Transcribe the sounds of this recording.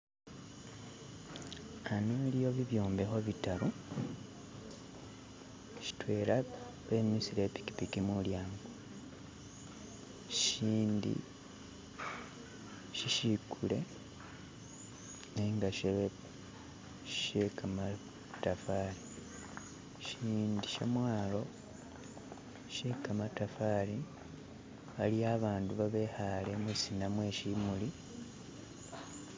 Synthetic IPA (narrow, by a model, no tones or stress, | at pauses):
anelijo̞βiβjoːmbe̞xo̞βitaɾu | ʃi̥twe̞ːɾa | βemisiɾepi̥ki̥pikimuljaːŋɡo | ʃiːndḭ | ʃiʃikʰule̞̰ | neŋɡaʃeβ | ʃekʰama | tːafaːli | ʃiːndiʃḛmwaːlo̞ | ʃe̞kamatafali | βaliaːβaːnduβaβe̞ːhale̞musinamwe̞ːʃimuli